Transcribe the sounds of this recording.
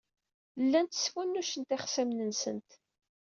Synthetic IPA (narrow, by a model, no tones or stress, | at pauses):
lːænt̪sfænːuʃənt̪ɪχsæmnənsə̰nt̪